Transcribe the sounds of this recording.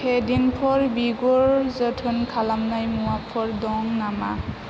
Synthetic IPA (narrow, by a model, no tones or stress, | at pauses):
hʰɛdinpʰɔɹbiɡɔɹzətʰɯnkʰalamnajmuapʰɔɹdɔŋnama